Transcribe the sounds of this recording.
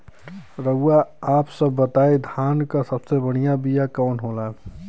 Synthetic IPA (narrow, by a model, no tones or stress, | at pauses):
ɾəɡaaːpsəbːət̪aːed̪ʱaːnkasəbsebəɽ̤̃ijabijakɔːnɦoːlaː